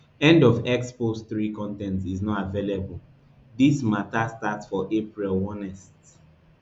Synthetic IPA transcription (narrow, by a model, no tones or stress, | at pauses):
ɛ̃ndɔvɛksposθɹikɔ̃ntɛ̃ntiznɔtavelebəl̩ | dismatastatsfɔʔepɹilwɔ̃nɛst